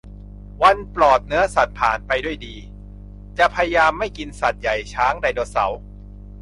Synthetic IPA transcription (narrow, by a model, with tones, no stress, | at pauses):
wa˧nplɔː˨˩t̪̚nɯ˦˥ɐsa˨˩t̪̚pʰaː˨˩npa˧jdu˥˩əjdiː˧ | t͡ɕa˨˩ʔpʰa˧ja˧jaː˧mːa˥˩jki˧nsa˨˩t̪̚ja˨˩jt͡ɕʰaː˦˥ŋda˧jdoː˧sa̰˩˦w